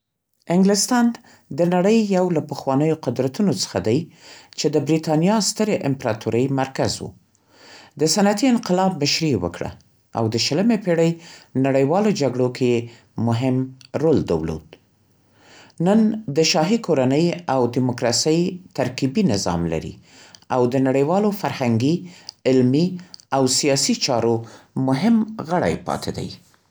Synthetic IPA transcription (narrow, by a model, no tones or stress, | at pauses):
ɪŋɡlɪst̪ɑn | d̪ənaɽəjːawlapəxwɑnəjoqʊd̪ɾat̪unot͡sə̥xad̪ajt͡ʃed̪əbɾit̪ɑnijɑst̪əɾeʔɪmpɾɑt̪ʰuɾəjmaɾkazwṵ | d̪əsanat̪iɪnqɪlɑbːaʃɾiwə̰kɽa̰ | a̰wd̪əʃələmepeɽəjnaɽəjwɑlod͡ʒaɡɽokʰeje | mʊɦɪmɾold̪a̰wlo̰d̪ | nənd̪əʃɑɦikoɾanəjawd̪ɪmʊkɾɑsəjt̪aɾkibinɪzɑ̰mla̰ɾḭ | awd̪ənaɽəjwɑlofaɾhaŋɡiɪlmiawsijɑsit͡ʃɑɾomʊɦɪmɣəɽa̰jpɑ̰t̪ʰed̪a̰j